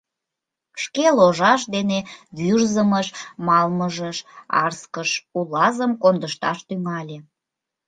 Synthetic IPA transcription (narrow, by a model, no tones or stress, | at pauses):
ʃkeloʒɑʃ̬d̪eneβyrzəməʃmɑlməʒəʃɑ̰rskəʃulɑzəmkond̪əʃt̪ɑʃt̪yŋɑlʲe